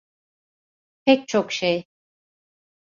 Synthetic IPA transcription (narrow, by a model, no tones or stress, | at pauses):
pʰɛc̚ʲt͡ʃʰokʃej